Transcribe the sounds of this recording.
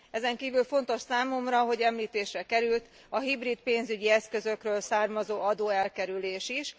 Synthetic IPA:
ɛzɛŋkiːvylfo̞n̪t̪o̞ʃsaːmo̞mrɒɦo̞ɟɛmliːt̪eːʃrɛkɛɾylt̪ | ɒɦibrit̪peːnzyɟiɛskø̞zø̞krøːlsaːrmɒzoːɒd̪oːɛlkɛɾyleːʃiʃ

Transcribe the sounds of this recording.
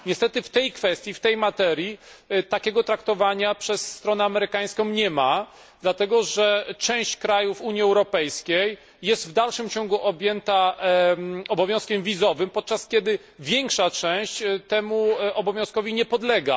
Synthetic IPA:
ɲɛst̪ɛt̪ɘft̪ɛjkfɛst̪ʲjift̪ɛjmat̪ɛɾʲjit̪akʲɛɡɔt̪ɾak̚t̪ɔvaɲapʂɛsːt̪ɾɔnɛamɛɾɘkaj̃skɔ̃w̃ɲɛma | d̪lat̪ɛɡɔʐɛt͡ʂɛ̃w̃ɕt͡ɕkɾajufuɲiɛwɾɔpɛjskʲejː | ɛst̪vd̪alʂɘmt͡ɕɔŋɡuʔɔbʲjɛnt̪a | ɔbɔvʲjɔ̃skʲɛmvʲizɔvɘmpɔt̪̚t͡ʂaskʲjɛd̪ɘ | vʲjɛŋkʂat͡ʂɛ̃w̃ɕt͡ɕt̪ɛmuɔbɔvʲjɔ̃skɔvʲiɲɛpɔd̪lɛɡa̰

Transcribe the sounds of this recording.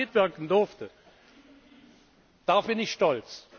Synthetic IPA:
ɪtv̥ɪɐkn̩dʊɐftə | d̥abɪnɪçʃtɔlt͡s

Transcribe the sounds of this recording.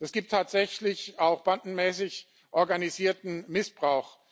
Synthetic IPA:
d̥asɡ̥iːp̚tʰːaːtz̥ɛçlɪçaʊxb̥andn̩mɛːsɪç | ʔɔɐɡaniziːɐtn̩mɪsb̥ʁaʊx

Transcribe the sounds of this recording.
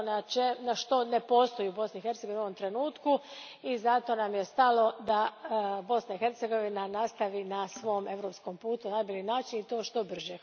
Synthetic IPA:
nat͡ʃenaʃt̪o̞nepo̞st̪o̞jiubo̞snixe̞ɾt̪seɡoinuoʋo̞mt̪ɾe̞nuːt̪ku | izat̪o̞namjest̪alo̞d̪abo̞snaixe̞ɾt̪seɡo̞ʋinanast̪aʋinasʋo̞me̞ʋɾopsko̞mpuːt̪unajboʎinaːt͡ʃinit̪o̞ːʃt̪o̞br̩ʒe

